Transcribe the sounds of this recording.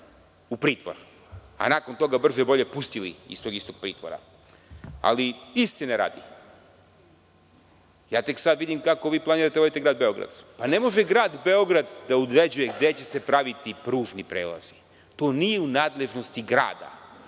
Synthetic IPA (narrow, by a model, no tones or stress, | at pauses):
upɾiːt̪ʋo̰ɾ | a̰naːko̞nt̪o̞ɡabr̩zebo̞ʎe̞pust̪ilḭḭst̪oɡist̪o̞ɡ̥̚pɾḭːt̪ʋo̰ɾa̰ | a̰liist̪ineɾa̰ːd̪i | jaːt̪e̞ksad̪ʋid̪imkako̞ʋiːplaniːɾat̪eod̪it̪eɡɾaːd̪̚beo̞ɡɾa̰d̪̥pane̞mo̞ʒeɡɾaːd̪be̞o̞ɡɾad̪d̪aud̪ɾed͡ʑujeɡd̪e̞t͡ɕe̞se̞pɾaʋit̪ipɾuːʒnipɾḛːla̰z̥i̥ | t̪oːnijeunaːd̪le̞ʒno̞st̪iɡɾa̰ːd̪a̰